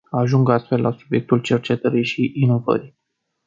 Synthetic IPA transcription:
aʒuŋɡast̪fe̞lːʔasubje̞k̚t̪ult͡ʃe̞rt͡ʃe̞t̪əɾiʃiʔːno̞və̰ɾi

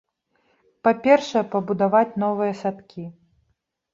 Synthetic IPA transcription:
papʲɛrʂɐjɛpɐbud̪avat͡sʲnɔvɨjɐsat̪kʲʰi

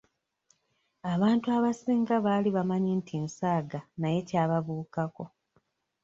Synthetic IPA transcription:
aβaːntuaβasiːŋɡaβaːliβamaɲintʰinsaːɡanaje̞caːβaβuːkako̞

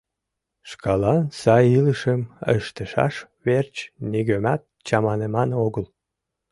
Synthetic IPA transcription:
ʃkɑlɑnsɑjiləʃəmə̰ʃt̪əʃɑ̰ʃ | βert͡ɕniɣømɑt̪̚t͡ɕɑmɑnemɑnoɣəl

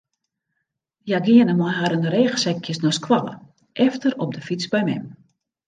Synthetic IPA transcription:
jaɡɪənəmɔjɦaɾənreːɣəsɛkʰjəsnoskwalə̰ | ʔɛftərɔp̚dəfit͡sbɛjmɛ̰m

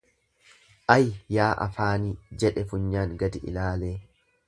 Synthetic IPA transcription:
ʔɐjjaːʔɐ̰faːniːd͡ʒɛᶑɛfʊɲːaːŋɡɐd̪ɪʔɪ̰laːleː

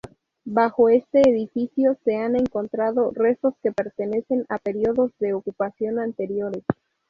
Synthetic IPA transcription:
baxo̞e̞st̪e̞ːðifisjo̞se̞ane̞ŋko̞nt̪ɾaðo̞re̞so̞ske̞pe̞ɾt̪ene̞se̞nape̞ɾioðo̞zðe̞okupasjo̞nant̪e̞ɾjo̞ɾe̞s

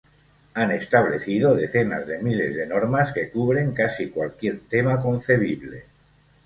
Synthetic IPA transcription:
ane̞st̪aβ̞le̞θið̞oðe̞θe̞na̰zðe̞mile̞zðeno̞ɾmaske̞kuβ̞ɾe̞ŋkasikwalkje̞ɾt̪e̞mako̞nθe̞β̞iβle̞

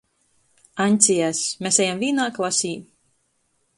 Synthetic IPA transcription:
anʲt̪sʲijasmʲesɛjamvʲiːnaːklˠasʲiː

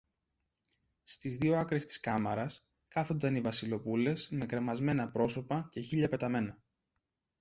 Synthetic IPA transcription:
st̪izðioɐkɾe̞st̪i̥skɐmɐɾɐs | kɐθond̪ɐnivɐsilo̞pule̞sme̞kɾe̞mɐzme̞nɐpɾo̞so̞pɐce̞çiʎɐpe̞t̪ɐme̞nɐ

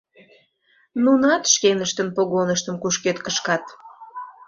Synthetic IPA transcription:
nunɑt̪ʃkenəʃt̪ənpoɣonəʃt̪əmkuʃket̪kəʃkɑt̪

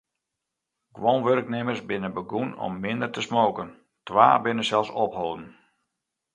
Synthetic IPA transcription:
ɡ̥ʋonʋørknemərsbɪnəbəɡunɔ̰mːɪndərtəsmoːkən | tʋa̰ːbɪnəsɛlˠsɔphoːdn̩

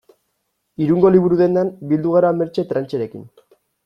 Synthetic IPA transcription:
iɾuŋɡo̞liβuɾuðe̞nd̪eambild̪uɣaɾame̞ɾt͡ʃe̞t̪ɾant͡ʃeɾe̞kḭn

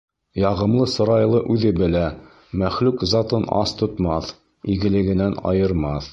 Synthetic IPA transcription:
jɑʁɤ̆mlˠɤsŏɾɑjlˠɤʔʉðɘbɘ̆læ | mæχlʉkzɑt̪ɤnɑ̰st̪ŏt̪mɑθ | iɡɘ̆lɘ̆ɡɘ̆nænɑ̰jɤ̆ɾmɑθ

